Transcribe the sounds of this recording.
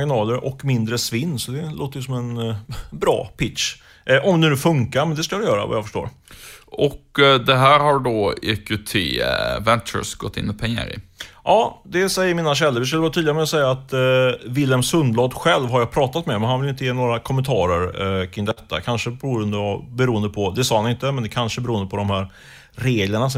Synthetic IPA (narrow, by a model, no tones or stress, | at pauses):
ɡɪnɑːləɾʔɔkmɪnd̪ɾəsvɪnːsɔd̪ɛlʔo̰ːt̪əjsɔmɛnbɾɑ̰ːpɪt̪ʂ | ʔɔmd̪ɛnʉːfɵŋkaɾmɛnd̪ɛskad̪ɪjœːɾa̰va̰jafœ̥ʂʈo̰ːɾ | ɔkd̪ɛɦæːɾhaɾɖoːɪkʉt̪ʰḛvɛnt͡ʃə̰sɡɔt̪ːɪ̰nːɪpʰɛŋːa̰ɾɪ̰ʔɑːd̪ɛsɛjːəmiːnaɕ̬ɛlːəɾvɪs̬kɵlːvːt̪ʰyːd̪ɪɡamɛɔsɛjːaːt̪vɪlːɛmsɵnd̪lɑːd̪ɧɛlvɦaɾjɑːpʰɾɑːt̪at̪mɛmɛnhanvɪlɪnt̪əjeːnoːɾakʰɔmːənt̪ʰɑːɾəɾkʰɾɪŋd̪ɛt̪ʰːa̰kʰanʂəbɛɾuːənd̪əva̰bɛɾuːənd̪əpʰɔd̪ɛsɑːhanɪnt̪əmɛnd̪ɛkʰanʂəbɛɾuːənd̪əpʰɔd̪ɔmhæːɾ | ɾeːɡləɳasɔ